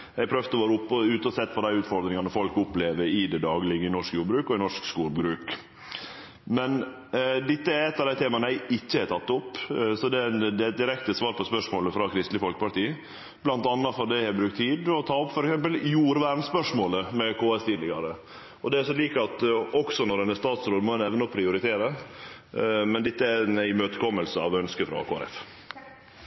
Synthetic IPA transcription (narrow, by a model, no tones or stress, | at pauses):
æɪpʰɾœʋd̪ɔʋeːɾəʊpːɔʉːt̪əɔsɛt̪ːpʰɔd̪æɪʉːt̪fɔɾd̪ɾɪŋɑnəfɔlkʊpleːʋəɾɪd̪ɛd̪ɑːɡəlɪɡəɪnɔʂkjuːɖbɾʉːkɔɪnɔʂkskuːɾbɾʉːk | mɛn | d̪ɪt̪ːəæɾɛt̪ːɑʋd̪æɪt̪ʰeːmɑnəæɪɪçːəɛt̪ʰɑt̪ːʊpːsɔd̪ɛnd̪ɛt̪̚d̪ɪɾɛkt̪əsʋɑːɾpʰɔspœʂmoːləfɾɑkʰɾɪst̪lɪfɔlkəpɑʈiːə | b̥lɑnt̪ɑnːɑfɔɖ̪æɪhɛbɾʉkt̪ʰːiːd̪ɔt̪ʰɑːɔpːfɔɾɛksɛmpəljuːɾʋæɾnspœʂmoːləmɛkʰoːɛst̪ɪlɪɡɑ̰ɾə | ɔd̪ɛæsɔliːkɑt̪ɔksɔnɔɾɛnːəst̪ɑːt̪sɾoːd̪mɔɛnɛʋnɔpʰɾɪʊɾɪt̪ʰeːɾə | mɛnd̪ɪt̪ːəænæɪmøːt̪əkʰɔmːəlsəɑ̰ʋœnskəfɾɑ̰kʰoːæ̰ɾɛ̰f